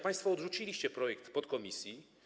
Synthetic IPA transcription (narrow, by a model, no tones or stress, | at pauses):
pãj̃st̪fɔːd̪ʐut͡ɕilʲiɕt͡ɕɛpɾɔjɛkt̪pɔt̪kɔmʲisʲji